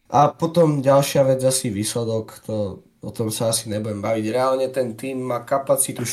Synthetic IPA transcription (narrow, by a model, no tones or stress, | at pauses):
ʔapɔt̪ɔmɟalʃɪaʋɛd͡zasiʋiːslɛd̪ɔkt̪ɔ | ɔt̪ɔmsaasiɲɛbuɟɛmbaʋiɟɾɛalɲɛt̪ɛnt̪iːmːaːkapat͡sit̪uʃ